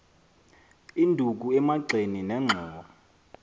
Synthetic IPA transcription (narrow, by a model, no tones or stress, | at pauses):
indʱuk̬uɛmaǀʱeninɛŋ͡ǁʱɔːɓɔ